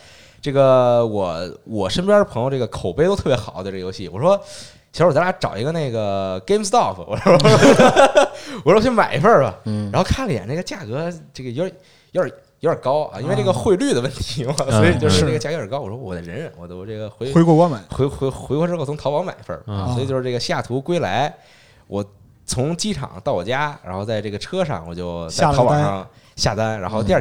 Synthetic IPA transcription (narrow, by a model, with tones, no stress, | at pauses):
ʈ͡ʂɤ˥˩ɡə˩wɔ˨˩˦wɔ˨˩ʂə˥npjɑ˥d̪ə˩pʰɤ˧˥ŋjʊʈ͡ʂɤ˥˩ɡə˩kʰo˨˩ʊpe˥ɪto˥ʊt̪ʰɤ˥˩pjɛ˧˥xɑ˨˩˦d̪ə˧ʈ͡ʂjo˧˥ʊɕi˥˩wɔ˨˩ʂwɔ˥ | t͡ɕ̩ʰ˧˥wɔ˨˩t͡s̪a˧˥ʈ͡ʂɑ˨˩ʊi˧˥ɡə˧na˥˩ɪɡə˩ke˥mst̪ɑ˥˩fwɔ̰˨˩˥ʂɔ˥ɔ˥ | wɔ˨˩ʂt͡ɕʰma˨˩ɪi˧˥fə˥˩bɐ̰˨˩ɻa˧˥nxo˧kʰa˥˩lə˩jɛ̰˨˩na˥˩ɡə˩t͡ɕja˥˩kɤ˧˥ʈ͡ʂɡə˩jo˧˥ʊ˞˨˩ | jo˧˥ʊə˞˨˩ | jo˧˥ə˞˨˩kɑ˥ʊʔɐ̰˧ʔi˥nwe˥˧ʈ͡ʂɤ˥˩ɡə˩xwe˥˧ɪly˥˩d̪ə˩wə˥˩nt̪ʰi̥˧˥a˧swɔ˧˥i˨˩t͡ɕjʂɻ̩˥˧na˥˩ɡət͡ɕa˥˩kə˞˨˩kɑ˥ʊwɔ˨˩ʂɔ˥˩wɔ˨˩d̪ə˦ɻə˧˥nɻə˧˥nwɔ̰˨˩t̪o˧˥ʊʈ͡ʂɤ˥˩ɡə˩xwe˧˥we˥ɪkwɔ˥˧wa˥m˨˩˦xwe˧˥˧xxwe˧˥kwʈ͡ʂɻ̩˥xt͡sʰʊ˥ŋt̪ʰɑ˧˥ʊɑ˧˥ŋma˨˩ɪ˧˥fə̰˞˥˩˧ɔ˧˥˨t͡ɕjo˧ʂɻ̩˥˧ʈ͡ʂə˥˩ɡə˩ɕi˧ja˥˩t̪ʰu˧˥kwe˥ɪla˧˥ɪ | wɔ˨˩ | t͡sʰʊ˧˥ŋt͡ɕi˥ʈ͡ʂʰɑ̰˨˩˦ŋt̪ɑ˥˩ʊwɔ˨˩t͡ɕja˥ɻa˧˥nxo˥˧ʊt͡sa˥˧ɪʈ͡ʂɤ˥˩ɡə˩ʈ͡ʂʰɤ˥ʂɑ̰˥˩ŋwɔ˨˩t͡ɕjo˥˧ʊt͡sa˥˩˥t̪ʰɑ˥ɑ̰˨˩˦ɑ˥˧ŋ | ɕja̰˥˩t̪a˥nɻa˧˥nxo˥˧ʊt̪i˧˥˧